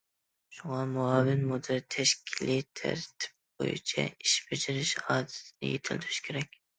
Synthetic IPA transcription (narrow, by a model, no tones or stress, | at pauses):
ʃuŋɑmuɑːvɪnmud̪ɪlt̪ʰɛʃkʲʰilit̪ʰæ̰ɾt̪ʰɪ̥p̚bo̰jṵt͡ʃʰɛ̰iʃbɪd͡ʒɪɾɪʃɑːd̪ɪ̥t̪ʰɪnɪ̰jet̪ʰɪld̪ɪɾy̥ʃkʲʰeɾɛkʲ